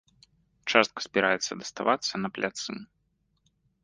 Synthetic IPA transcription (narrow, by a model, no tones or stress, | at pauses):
t͡ʂast̪̚kɐ̥sʲpʲiɾajɛt̪sːɐd̪ɐst̪avat̪sːɐnɐplʲat̪sɨ̰